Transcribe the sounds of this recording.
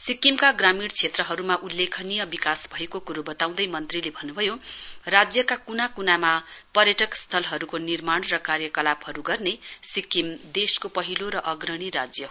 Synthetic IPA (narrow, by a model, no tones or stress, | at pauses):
sikimkaɡramiɽt͡sʰet̪rʌɦʌɾumaʔulːekʰʌnijʌbikasbʱʌekokuɾubʌt̪aw̃d̪ʌjmʌnt̪rilebʱʌnːubʱʌjorad͡zjʌkakunakunamapʌrjʌʈʌkst̪ʰʌlɦʌɾukonirmaɳ̃rʌkarjʌkʌlaphʌɾuɡʌrnesikimd̪eskopʌɦiloɾʌʔʌɡrʌɽ̃iɾad͡zjʌ